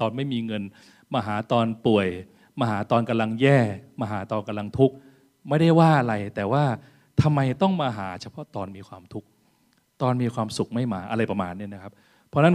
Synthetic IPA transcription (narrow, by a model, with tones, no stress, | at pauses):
t̪ɔː˧nma˥˩jmiː˧ŋɤ˧n | maː˧ɦaː˩˦t̪ɔː˧npu˨˩əj | maː˧ɦaː˩˦t̪ɔː˧nka˧mla˧ŋjɛː˥˩maː˧ɦaː˩˦t̪ɔː˧nka˧mla˧ŋt̪ʰu˦˥k̚ | ma˥˩jda˥˩jwaː˥˩ʔa˧ɾa˧jt̪ɛː˨˩waː˥˩ | t̪ʰa˧mːa˧jt̪ɔ˥˩ŋmaː˧ɦaː˩˦t͡ɕʰa˧pʰɔ˦˥t̪ɔː˧nmiː˧kʰwaː˧mt̪ʰu˦˥k̚ | t̪ɔː˧nmiː˧kʰwaː˧msu˨˩k̚ma˥˩jmaː˧ʔa˧ɾa˧jpɾa˧maː˧nːi˥˩na˦˥kʰa˦˥p̚ | pʰːɔ˦˥na˥n